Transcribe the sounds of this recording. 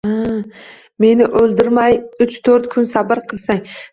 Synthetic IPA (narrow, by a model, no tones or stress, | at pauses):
a | me̞nɪʔɵlˠd̪ɪɾmajʊt͡ʃt̪ʰɵɾt̪kʰʊnsabɪɾqʰɨlˠsaŋ